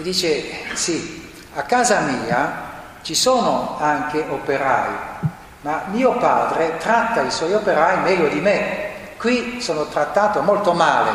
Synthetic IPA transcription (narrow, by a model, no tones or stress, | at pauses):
d̪iːt͡ʃesi | akːaːzamiːa | t͡ʃisoːnoaŋk̟eʔopeɾa̰ːj | mamiːopaːd̪ɾet̪ɾat̪ːaiswɔjopeɾaːimɛʎːod̪ime | kwisoːnot̪ɾat̪ːaːt̪omolt̪omaːlḛ